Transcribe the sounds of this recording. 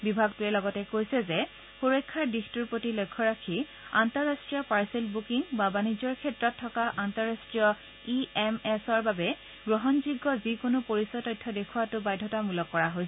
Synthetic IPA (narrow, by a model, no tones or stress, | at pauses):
bibʱaɡtʊɛlɔɡɔtɛkojsɛzɛ | poɹojkʰːaɹdixtuɹpotilojkʰːɔɹakʰi | antɔɹːastɹijɔpaɹsɛlbukiŋbabanizɔɹkʰɛtɹɔtʰːɔkaʔantɔɹastɹijɔ | iɛmɛsɔɹbabɛ | ɡɹɔɦɔnzuɡːɔzikonʊpoɹisɔtɔjtʰːɔdekʰuwatʊbajdʱːɔtamulɔkːɔɹaɦojsɛ